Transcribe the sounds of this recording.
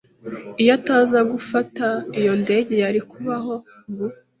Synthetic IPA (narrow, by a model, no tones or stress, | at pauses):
ijataːzaɡufataijo̞nde̞ːɟe̞jaɾikuβaɦo̞ | ɡu